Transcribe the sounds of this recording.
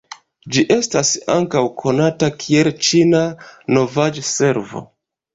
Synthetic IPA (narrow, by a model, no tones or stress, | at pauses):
d͡ʒiʔe̞stasa̰ŋkawkʰo̞natakʰie̞lt͡ʃinano̞vad͡ʒse̞ɾvo̞̰